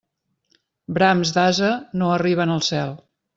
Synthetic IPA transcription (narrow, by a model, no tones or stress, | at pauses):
bɾamzd̪azənoəriβ̞ənəlˠsɛlˠ